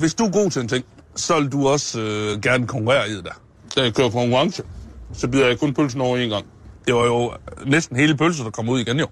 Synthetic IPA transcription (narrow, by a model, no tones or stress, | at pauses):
ʋe̝sd̥uɐɡ̥o̝̰ːt͡sʰe̝ent͡sʰeŋ̰sɒ̽ʋe̝lduɒ̽søɡ̥æɐnəkʰɒ̽ŋkʰuʁɛ̰ːɐiðˠd̥æɐ | d̥æjakʰøɐpʰkʰɒŋkʰuʁɑ̈ŋsəsɒ̽b̥iðˠɐjɑ̈kʰɔnpʰølsn̩ɒʊenɡ̥ɑ̈ŋ̰ | d̥eʋɑ̈jo̝nesd̥n̩ɦe̝ːləpʰølsɐd̥ɑ̈kʰɒ̽muð̞̰ˠiɡ̥enjo̝